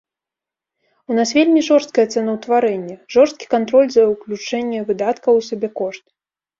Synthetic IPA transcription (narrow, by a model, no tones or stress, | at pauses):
unasvʲelʲmʲiʐɔrst̪̚kɐjɛt̪sɛnɐwt̪vaɾɛnʲːɛʐɔrst̪̚kʲi̥kant̪ɾɔlʲzɐwklʲut͡ʂɛnʲːɛvɨd̪at̪kɐwsʲabʲɛkɔʂt̪̚